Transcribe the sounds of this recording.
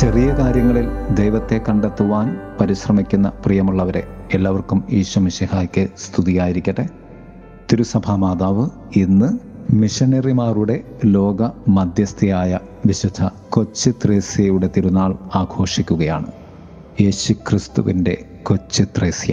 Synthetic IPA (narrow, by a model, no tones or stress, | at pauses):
t͡ɕerijɐkaːɾjɐŋːɐɭild̪e̞jʋɐt̪ːe̞kɐɳɖet̪ːuʋaːnpɐɾiɕrɐmikʲːunːɐprijɐmuɭːɐʋɐɾe̞̰ːlːaːʋɐrkumiːɕumiʂihaːkʲːɨst̪ʰuðijaːjiɾikʲːɐʈːe | t̪iɾusɐbʱamaːd̪aːʋɨ | inːɨmiʂɐnɐrimaːruɽe̞lo̞ːɡɐmɐd̪ʱjɐst̪ijaːjɐ | ʋiɕud̪ʱʰɐ | ko̞t͡ɕːɨt̪reːsjɐjuɽe̞t̪iɾunaːɭaːɡʱo̞ːʂikʲːuɣɐja̰ːɳɨ | je̞ːɕukrist̪ṵʋinde̞̰ | ko̞t͡ɕːit̪reːsjɐ̰